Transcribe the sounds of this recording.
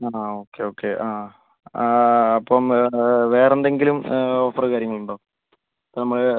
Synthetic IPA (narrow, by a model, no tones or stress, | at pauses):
aːo̞ːkːe̞o̞ːkːeʔaː | ɐpːomʋe̞ːrend̪e̞ŋɡilumoːfɐrkaːɾjɐŋːɐɭuɳɖoː | ɐpːonɐmːɐɭ